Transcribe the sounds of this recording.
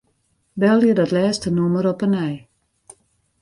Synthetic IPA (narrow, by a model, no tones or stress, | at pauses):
bɛlˠjədɔtlɛːstənuməɾɔpənɛj